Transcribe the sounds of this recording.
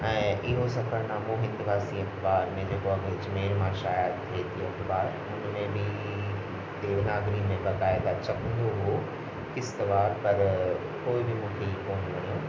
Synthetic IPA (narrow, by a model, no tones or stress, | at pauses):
ɛ̃ːʔɪɦosɐ̃kʰəɾnãːmõɦɪ̃nd̪ʋaːsiɪt̪ɪʋaːɾmẽd͡ʑeːkoɐɡɪɪd͡ʑɪmeːɾmãʃaːjad̪t̪ʰiɾet̪ʰijoɐkbaːɾ | ʊnmẽbɪ | t̪eːʋnaːɡɾimẽbɐkaːet̪at͡ɕɐkə̃nd̪oɦʊo | kɪst̪ʋaːɾpɐɾ | koːibɪmũːkʰeipoːñʋɐɽ̃ijõ